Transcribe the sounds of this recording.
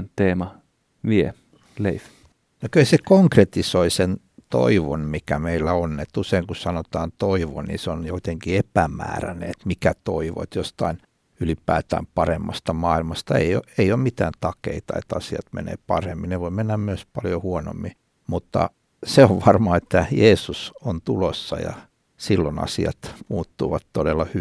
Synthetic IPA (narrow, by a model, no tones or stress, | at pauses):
nt̪eːmɑ | ʋie | leif | nokyhæsekoŋkret̪isoisen | t̪o̰iʋonmikæmeilːæonːet̪useiŋkusɑnot̪ɑːnt̪oiʋo̰nnḭseonjoit̪eŋkiepæmæ̰ːræ̰nḛet̪mikæt̪oiʋo̰et̪jost̪ɑin | ylipæːt̪æ̰ːmpɑremːɑst̪ɑmɑːilmɑst̪ɑḛioeiommit̪æːnt̪ɑkḛit̪ɑḛt̪ɑsiɑt̪mḛnḛːpɑremːineʋoimenːæmmyøspɑljohuono̰mːi | mut̪ːɑ̰ | seoʋʋɑrmɑet̪ːæjeːsusont̪ulosːɑ̰jɑ̰ | silːonɑ̰siɑ̰t̪muːt̪ːuːʋɑt̪todelːɑhy